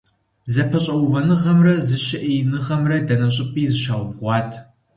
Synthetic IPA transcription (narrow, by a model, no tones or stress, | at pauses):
zɐpʰɐɕʼɐwvɐnɨʁɐmrɐzɨʃɪʔejnɨʁɐmrɐdɐnɐɕʼɪpʼiːzɨʃaːwbʁʷɑːtʰ